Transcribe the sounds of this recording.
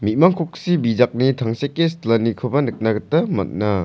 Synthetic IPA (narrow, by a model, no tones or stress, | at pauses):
mit̚maŋkʰɔk̚sibizak̚nitʰaŋsekːestlanikʰɯbɐnɯk̚naɡɯtːɐmɐ̰t̚na